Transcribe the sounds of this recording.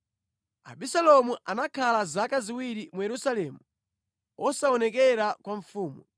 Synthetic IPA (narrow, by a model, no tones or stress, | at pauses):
a̰ɓisalɔmuʔanakʰalazakaziwiɾimujɛɾusalɛːmu | ʔɔsaɔnɛkɛɾakwaɱfuːmu